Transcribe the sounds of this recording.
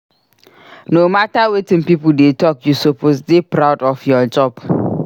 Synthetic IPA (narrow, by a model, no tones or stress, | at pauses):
nomatawetĩnpipul̩detɔkjusopʰosdepɾawdɔfjɔd͡ʒɔb